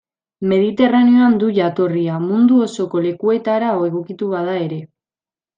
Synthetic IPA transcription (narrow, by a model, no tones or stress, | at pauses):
me̞ð̞it̪e̞ranio̞and̪uʝat̪o̞riamund̪uo̞so̞ko̞le̞kue̞t̪aɾaoe̞ɣ̞o̞kit̪uβaðae̞ɾe̞